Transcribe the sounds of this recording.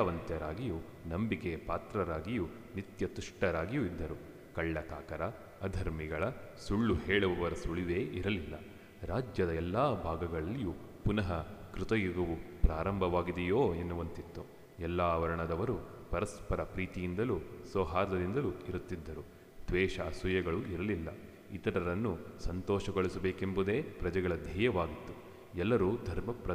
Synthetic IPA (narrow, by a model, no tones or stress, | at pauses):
ɐʋɐnt̪jɐɾaːɡiju | nɐmbikepaːt̪ɾɐɾaːɡiju | nit̪jɐt̪uʂʈɐɾaːɡijuid̪ːɐɾu | kɐɭːɐkaːkɐɾɐː | d̪ʱɐɾmiɡɐɭɐsuɭːuheːɭuʋɐʋɐɾɐsuɭiʋeːiɾɐlilːɐ̰ | ɾaːd͡ʒjɐd̪ɐɛlːaːbʱaːɡɐɡɐɭɐlːiju | punɐɦɐkɾut̪ɐjuɡɐʋupɾaːɾɐmbʱɐʋaːɡid̪ɛjoːenːuʋɐnt̪it̪ːu | ɛlːaːʋɐɾɐɳɐd̪ɐʋɐɾu | pɐɾɐspɐɾɐpɾiːt̪ijind̪ɐlusɔːɦaːɾd̪ɐd̪ind̪ɐluiɾut̪ːid̪ːɐɾu | d̪̥ʋɛːʃɐːsujɐɡɐɭuiɾɐlilːɐ̰ | it̪ɐɾɐɾɐnːusɐnt̪ɔːʃɐɡoɭisɐbeːkembud̪e̞ːpɾɐd͡ʒɐɡɐɭɐd̪ʱiːjɐʋaːɡit̪ːu̥ | ɛlːɐɾuːd̪ʱɐɾmɐpɾɐ